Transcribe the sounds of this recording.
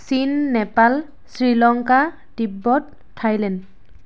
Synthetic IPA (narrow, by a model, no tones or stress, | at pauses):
sinːɛpal | sɹilɔŋka | dibːɔt | tʰajlɛnd